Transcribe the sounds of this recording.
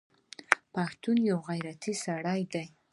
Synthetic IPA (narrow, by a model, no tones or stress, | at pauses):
paxt̪unjawɣajɾat̪isaɽajd̪aj